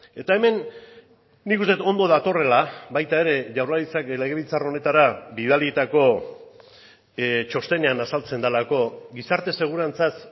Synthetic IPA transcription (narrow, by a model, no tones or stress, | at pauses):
e̞t̪ae̞me̞nː | ikust̪e̞t̪o̞nd̪o̞ð̞at̪o̞re̞labajt̪ae̞ɾe̞ʝawɾlaɾit͡sakle̞ɣe̞β̞ilt͡saro̞ne̞t̪aɾabið̞alit̪ako̞ | t͡ʃo̞st̪e̞ne̞anasalt͡se̞nd̪alako̞ɡisaɾt̪e̞se̞ɣ̞uɾant͡sas